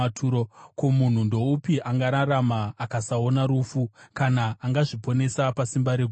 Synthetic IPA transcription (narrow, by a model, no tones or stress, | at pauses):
tʰuɾokomun̤undo̞upiʔaŋɡaɾaramaːkasao̞naɾuːfukanaʔːŋɡaʐipo̞ne̞sapasimbaɾeɡʱ